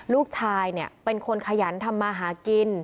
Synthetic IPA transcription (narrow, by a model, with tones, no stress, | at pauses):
luː˥˩k̚t͡ɕʰaː˧jni˥˩ɐpe˧nkʰo˧nkʰa˧ja˩˦nt̪ʰa˧mːaː˧ɦaː˩˦ki˧n